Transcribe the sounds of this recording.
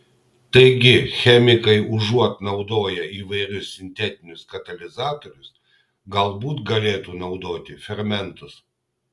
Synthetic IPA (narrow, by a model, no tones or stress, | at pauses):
t̪ɐɪɡʲɪxʲɛmʲɪkɐɪʊʒuɔt̪nɐʊd̪oːjɛiːʋɐɪɾʲʊsːʲɪnʲt̪ʲɛt̪ʲɪnʲʊskɐt̪ɐlʲɪzɑːt̪oɾʲʊs | ɡɐlˠbuːt̪ɡɐlʲeːt̪uːnɐʊd̪oːt̪ʲɪfʲɛɾmʲɛnt̪ʊs